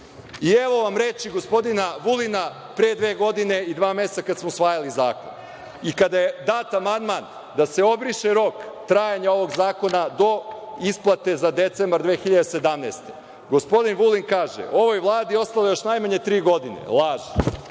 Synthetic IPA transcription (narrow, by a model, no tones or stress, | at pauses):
ieʋo̞ʋamɾet͡ʃiɡo̞spo̞d̪inaʋulina | pɾeːd̪ʋeːɡo̞d̪ine̞id̪ʋaːme̞st̪akad̪smosʋaːjalizaːko̰n | ikad̪ajed̪aːt̪amand̪man | d̪ase̞o̞bɾiʃeɾo̞kt̪ɾaːjaɲao̞ʋo̞ɡzaːko̞nad̪o̞isplˠat̪e̞zad̪e̞t̪sembaɾd̪ʋeːxiʎad̪ese̞d̪amnḛst̪e | ɡo̞spo̞d̪inʋulinkaːʒḛʔo̞ʋo̞jʋlˠaːd̪io̞st̪alojo̞ʃnajmaɲe̞t̪ɾiːɡo̞d̪inḛlˠaːʒi